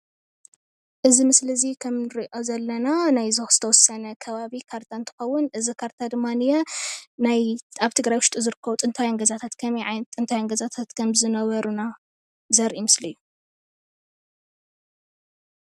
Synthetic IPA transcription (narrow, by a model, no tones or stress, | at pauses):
ʔɨzimɨslɨzikʰɐmnɨɾiʔo̞zɐlːɐnanajzɨxz̥ɨt̪ʰɐwɔsɐnɐkʰɐβaβikʰaɾt̪ʰant̪ʰɨ̥xɐwːʊnʔɨzikʰaɾt̪ʰad̪ɨmːanɨjɛnajaβt̪ʰɨɡɾajwʊʃt̪ʼuzɨɾɨkʰːɐβut̪ʼɨnt̪ʰajaŋɡɐzat̪ʰat̪kʰɐmiʕat̪ʼɨnt̪ʰajaŋɡɐzat̪ʰat̪kʰɐmzɨnɐβɐɾuna | zɐɾʔimɨslijːu